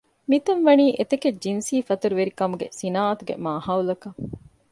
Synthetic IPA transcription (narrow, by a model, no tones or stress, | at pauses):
mit̪ɐnʋɐniːʔet̪eked͡ʒinsiːfɐt̪uɾuʋeɾikɐmuɡḛsinaːɐt̪uɡḛmaːhɐːwulɐkɐ